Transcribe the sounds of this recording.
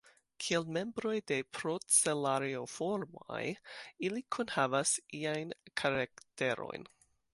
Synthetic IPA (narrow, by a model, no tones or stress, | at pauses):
kʰielme̞mbɾo̞jde̞pɾot͡selaɾiofoɾmo̰jilikʰunhavasiajnkʰaɾakte̞ɾo̞̰jn